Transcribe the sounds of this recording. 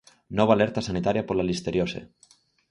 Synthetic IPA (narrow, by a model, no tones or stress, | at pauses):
nɔβaleɾt̪asanit̪aɾjapolalist̪eɾjosḛ